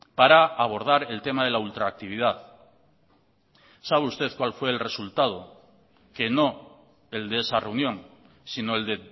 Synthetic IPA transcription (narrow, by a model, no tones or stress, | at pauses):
paɾaːβ̞o̞ɾð̞aɾe̞lt̪e̞maðe̞lault̪ɾaːk̚t̪iβ̞ið̞aθ | saβeust̪e̞θkwalfwe̞ːlre̞sult̪að̞o̞ | ke̞no̞ | e̞ld̪eesare̞unjõ̞ŋ | sino̞eld̪e̞